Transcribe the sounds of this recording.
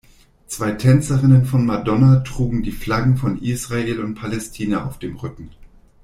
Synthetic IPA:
t͡sv̥aɪtʰɛnt͡sɐʁɪnənfɔnmadɔnatʁ̥uːɡŋ̩diːflaɡŋ̩fɔnʔiːsʁ̥aeːlʊntpʰalɛstʰiːnaa̰ʊfd̥eːmʁʏkŋ̩

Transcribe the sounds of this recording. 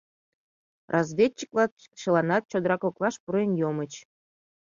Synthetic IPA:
rʔɑzvʲet͡ɕːi̥klˠɑ | ʃəlˠɑnɑt̪̚t͡ɕod̪əɾɑkoklˠɑʃpuɾenjomət͡ɕ

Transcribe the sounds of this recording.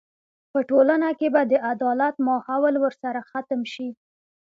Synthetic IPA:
pəʈolanakebad̪əʔad̪ɑlat̪mɑhawəlwəɾsaɾaxat̪əmʃi

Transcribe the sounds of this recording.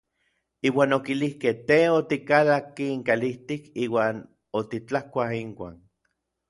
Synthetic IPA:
iːwaːnokilihkeht̪eot̪ikalakːiːŋkaliht̪ikiːwaːn | ot̪it͡ɬahkʷaɦiŋkʷa̰ːn

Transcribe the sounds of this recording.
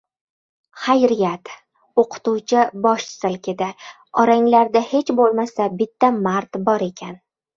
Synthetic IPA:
χajɾɪjat̪ | oqʰʊ̥t̪uwt͡ʃʰɪbɒʃsɪlkʲʰɪd̪a | ɒɾaŋlaɾd̪ahe̞t͡ʃbolˠmasabɪt̪ʰːamaɾt̪bɒɾe̞kʲʰan

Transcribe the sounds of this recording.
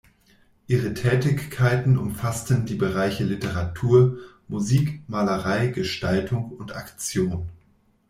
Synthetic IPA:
ʔiːʁətʰɛːtɪçkʰːaɪtn̩ʊ̰mfastn̩diːbəʁaɪçəlɪtəʁatʰuːɐ | muziːkmaːləʁaɪɡəʃtaltʰʊŋʊntakt͡sjoːn

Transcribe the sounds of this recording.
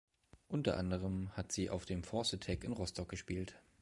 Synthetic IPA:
ʔʊntɐʔandəʁ̞əmhatz̥iːʔa̰ʊfd̥eːmfɔɐsətʰɛkɪnʁɔstʰɔk̚ɡ̥əʃpiːlt

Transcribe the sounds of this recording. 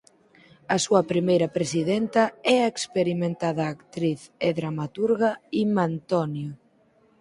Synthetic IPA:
ɐsuɐpɾimejɾɐpɾesiðɛnt̪ɐɛɐekspeɾimẽnt̪aðɐːkt̪ɾiθeðɾamat̪uɾɣɐimant̪ɔnjo

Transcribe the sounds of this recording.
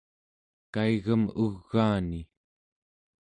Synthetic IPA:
kaiɣəmuɣːaːni

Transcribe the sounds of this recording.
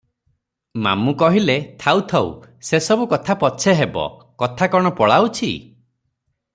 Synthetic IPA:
ma̰mukɔɦilet̪ʰawt̪ʰaw̰sesɔbukɔt̪ʰapɔt͡ʃʰeɦebɔ̰kɔt̪ʰakɔɽ̃ɔpɔɭawt͡ʃʰḭ

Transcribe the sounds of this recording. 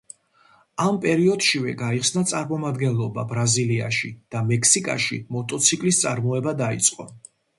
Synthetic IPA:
ampʼɛɾiɔd̪ʃivɛ̰ɡaiχsnat̪sʼaɾmɔmad̪ɡɛnlˠɔba̰bɾazilia̰ʃid̪̥amɛkʰsikʼa̰ʃḭmɔt̪ʼɔt̪sʰikʼlist̪sʼaɾmɔɛbad̪ait̪sʼqʼɔ

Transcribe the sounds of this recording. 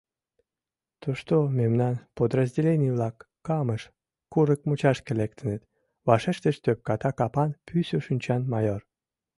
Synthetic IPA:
t̪uʃt̪omemnɑnpod̪rəzʲdʲelʲenʲijβlɑkːɑməʃ | kuɾəkmut͡ɕɑʃkəlekt̪ə̆nət̪ | βɑʃeʃt̪əʃt̪øp̚kɑt̪ɑkɑpɑnpʰysʲoʃynʲt͡ɕɑnmɑjor

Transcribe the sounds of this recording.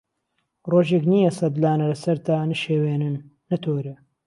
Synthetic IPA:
roːʒekniːjɐsɐd̪laːnɐlɐsɐɾt̪aːnɨʃeːweːnɨnː | ɐt̪ʰoːɾe

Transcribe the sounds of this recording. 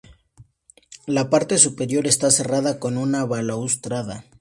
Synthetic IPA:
lapaɾt̪e̞supe̞ɾjo̞ɾe̞st̪ase̞rað̞ako̞nunaβalaust̪ɾaða

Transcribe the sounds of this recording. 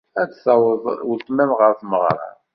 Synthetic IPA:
æt͡ssɑwðwəlt̪ˤmæmʁəɾθməʁɾˤɑ̰

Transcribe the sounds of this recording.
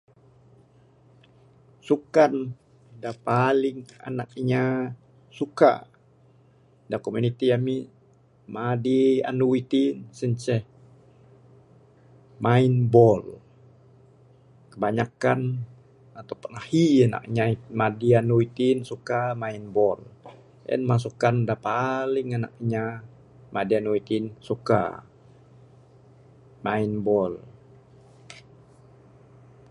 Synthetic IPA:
sukan | dapalɪŋa̰nak̚ɲa | suka̰ | dakomunit̪iami | madia̰nuwit̪insəɲt͡ʃɛh | mainbɔl | kəbaɲakan | at̪awpənahiana̰kɲaimadianuit̪insukamainbɔl | ʔɛ̰nmas̬ukandapalɪŋana̰k̚ɲa | mʔadianuit̪insuka̰ | mainbɔl

